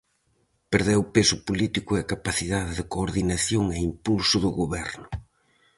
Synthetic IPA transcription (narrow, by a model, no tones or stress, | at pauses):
peɾðewpesʊpolit̪ikʊeakapaθiðaðɪðɪkoːɾðinaθjoŋeimpulsʊðʊɣoβɛɾnʊ